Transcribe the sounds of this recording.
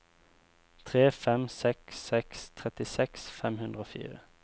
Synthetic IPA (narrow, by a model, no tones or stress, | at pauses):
t̪ʰʁeːfɛmsɛksɛkst̪ʰʁɛt̪ɪsɛksfɛmhʉnd̪ʁəoːfḭːʁə